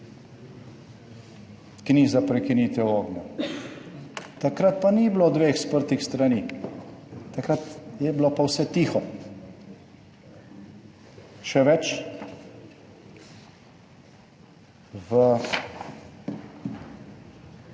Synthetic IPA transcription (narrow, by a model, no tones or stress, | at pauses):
kniːzapɾɛkinit̪ɛwoːɡnɔ | t̪akɾat̪̚paniblod̪ʋeːxspəɾt̪ixst̪ɾaniː | t̪akɾat̪jɛblopawsɛt̪iːxɔ | ʃɛʋɛt͡ʃ | ʋə